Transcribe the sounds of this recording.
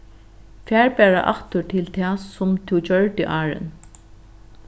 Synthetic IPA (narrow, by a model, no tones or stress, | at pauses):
fæːɹpɛːɹa̰ʔa̰ht̪ʊɹʈʰɪlt̪ʰɛːsʊmt̪ʰuwd͡ʑœɹt̪ɪʔaːɹɪ̰n